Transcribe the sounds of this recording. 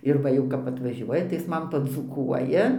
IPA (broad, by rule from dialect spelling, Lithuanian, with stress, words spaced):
ɪr ˈʋɐ jɛʊ kɐp ɐtʋɐˈʒʲuɔjɛ tɐɪ ˈjɪs ˈmɐn pɐd͡zuːˈkuɔjɛ